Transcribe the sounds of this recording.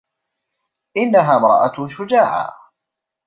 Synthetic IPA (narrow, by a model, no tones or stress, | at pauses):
ʔɪnːaɦaːmɾˤɑ̰ʔaʃʊd͡ʒaːʕa̰ː